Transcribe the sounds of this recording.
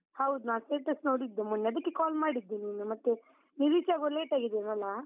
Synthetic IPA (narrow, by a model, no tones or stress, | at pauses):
hɐwd̪unaːsʈeːʈɐsno̞ːɽid̪ːumunːeɐd̪ɐkːekaːlmaːɽid̪ːiniːnumɐt̪ːe | niɾiːt͡ʃaːɡoleːʈaːɡid̪eːnɐlːa